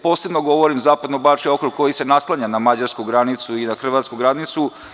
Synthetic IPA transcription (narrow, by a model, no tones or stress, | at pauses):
po̞ːse̞bnoɡo̞ʋoɾimzaːpad̪nobat͡ʃjokɾuɡkːo̞jise̞naslˠaɲanamad͡ʑaɾskuɡɾanit̪suinaxr̩ʋat̪skuɡɾad̪nit̪su